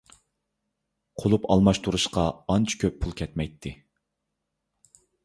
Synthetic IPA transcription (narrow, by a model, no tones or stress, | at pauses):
qʰolˠupɑlˠmɑʃt̪ʰuɾuʃqɑɑnt͡ʃʰi̥kʲʰøpʰːulˠkʲʰɛt̪mɛjt̪ʰːɪ